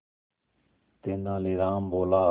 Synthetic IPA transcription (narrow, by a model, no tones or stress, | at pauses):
t̪eːnãːliɾaːmboːlaː